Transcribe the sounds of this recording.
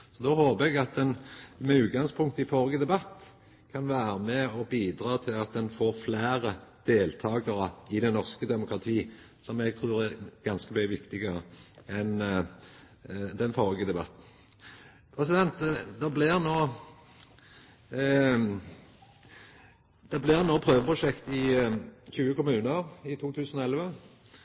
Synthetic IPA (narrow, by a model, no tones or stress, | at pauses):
sɔd̪oːhoːbəɛɡɑt̪̚d̪ɛnmɛʉːt̪̚ɡɑŋspʰʊŋk̚t̪əɪfɔʁɪɡəd̪ɛbɑt̪ː | kʰɑnʋæːɾəmɛɔbiːd̪ɾɑːt̪ʰɪlɑt̪̚d̪ɛnfoːʁflæːɾəd̪̥eːlt̪ʰɑːɡɑɾəɪd̪ɛnɔʁskəd̪ɛmʊkɾʁɑt̪ʰiː | sɔmɛɡ̚t̪ʰʁʉːɾæɡ̥ɑnskəbʋɪkt̪ɪɡəɾəɛn | d̪ɛnfɔʁɪɡəd̪ɛbɑt̪n̩ | pʰʁɛsɪd̪ɛnt̪d̪ɛblɪʁnoː | d̪̥ɛblɪʁnoːpʰʁøːʋəpʁʊʃɛkt̪ɪçʉːəkʊmʉːnəʁɪt̪ʰuːt̪ʰʉːsənɔɛlʋə